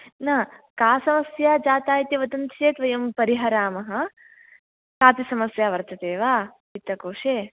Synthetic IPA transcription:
nɐkaːsɐmɐsjaːd͡ʒaːt̪aːjt̪iʋɐt̪ɐnt̪eːt̪ʋɐjɐmpɐɾiɦɐɾaːmɐɦɐ̆ | kaːp̪isɐmɐsjaːʋɐɾt͡ʃ̪ɐt̪eːʋaː | it̪ːɐkoːʂeː

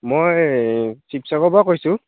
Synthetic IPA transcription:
moj | sipsakɔbakojsʊ

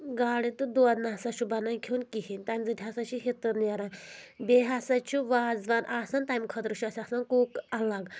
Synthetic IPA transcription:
ɡaɽit̪ud̪uʋad̪nasaʃubanaikʰeunkiɦinʲt̪amd͡zɨt̪ʰʲiasat͡ɕiɦet̪əɾnjaɾãbeɦasat͡ʃʰuʋad͡zʋanʔasant̪ajmkʰət̪ɾuɕuasasankuːkalaɡ

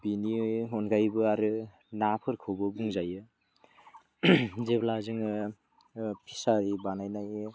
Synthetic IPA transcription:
biniɦɔnɡajbɯaɾɯ | napʰɯɾkʰɯwbɯbuŋzajɯ | zeblazɯŋɯ | pʰisaɾibanajnajɯ

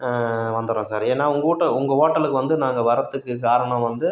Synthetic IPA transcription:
ʋɐnd̪ɯɾõːsaːɾeːnːaːʊŋɡɐuːʈːɐʊŋɡɐoːʈːɐlɯkːɯʋɐnd̪ɯnaːŋɡɐʋɐɾɐt̪ːɯkːɯkaːɾɐɳɐ̃ʋɐnd̪ɯ

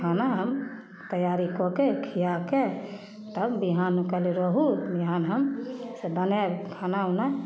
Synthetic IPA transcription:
kʰanaɦəm | t̪əjaɾikɔkekʰijake | t̪əbbiɦanukəliɾɔɦubiɦanɦəmsebənekʰanauna

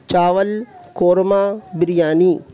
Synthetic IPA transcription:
t͡ʃaːʋəlkoːɾmaːbɪɾijaːniː

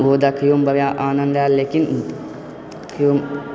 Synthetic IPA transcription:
ʋoːd̪akʰijuːmbɐʋjaʔaːnɐnd̪aːlleːkin | kʰijuːm

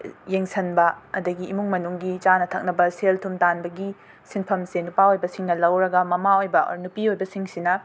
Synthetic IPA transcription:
jeŋsʰɐnbɐɐdɐɡiːmuŋmɐnuŋɡit͡ʃanɐtʰɐk̚nɐbɐseltʰumtanbɐɡi | sinpʰɐmsenupaojbɐsiŋnɐlɐwɾɐɡɐmɐmaojbɐ̰nupiojbɐsiŋsinɐ

